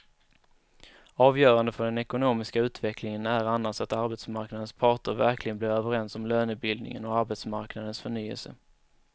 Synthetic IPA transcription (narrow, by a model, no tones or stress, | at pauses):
ɑːvjœːɾand̪əfœɖɛnɛkʊnoːmɪskaʉ̟ːt̪vɛklɪŋənæɾanːasat̪aɾbɛt̪smaɾknad̪ənspʰɑːʈəɾvæɾklɪɡənblɪːɾøːvəɾɛnsɔmløːnʉ̟t̪̚bɪld̪nɪ̰ŋə̰nɔaɾbɛt̪smaɾknad̪ənsfœɳyːə̰lsə̰